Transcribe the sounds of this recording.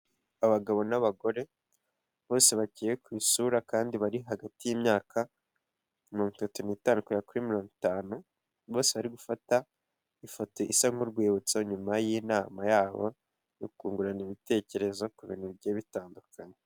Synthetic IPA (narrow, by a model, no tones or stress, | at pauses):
aβaɡaβo̞naβaɡo̞ɾe̞ | βo̞ːse̞βacijekwiːsuɾakaːndiβaɾiɦaɡatijimɲaːkʰa | miɾoŋu̥tatuniːtaːnukuakuɾimiɾo̞ːŋutaːnu | βo̞ːse̞βaɾiɡufata | ifo̞to̞ʔisaŋ̥uɾɡweːβut͡saɲumajinaːmajaːβo̞̰ | nokuːŋɡuɾaniβite̞ːce̞ɾe̞zo̞kuβḭnibjeβitaːndukʰaɲe